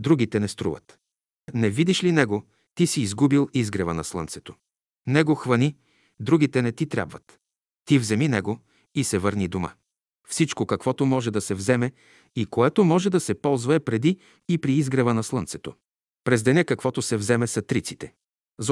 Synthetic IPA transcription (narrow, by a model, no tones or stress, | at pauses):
d̪ɾuɡ̟it̪ɛnɛst̪ɾṵvə̰t̪ | nɛvid̪iʃlinɛɡo | t̪isiːzɡubilˠizɡɾɛvənɐslˠɤ̰nt̪sɛ̥t̪o | nɛɡoxvɐni | d̪ɾuɡit̪ɛnɛt̪it̪ɾʲa̰bvət̪ː | ivzɛminɛɡo | isɛvəɾnid̪oma̰ | fsit͡ʃkokɐkvɔt̪omɔʒɛd̪ɐsɛvzɛmɛ | ikoɛt̪omɔʒɛd̪ɐsɛpɔlˠzvɐɛpɾɛd̪iː | pɾiizɡɾɛvənɐslˠɤnt̪sɛt̪o | pɾɛzd̪ɛnɛkɐkvɔt̪osɛvzɛmɛsɐt̪ɾit̪si̥t̪ɛ | z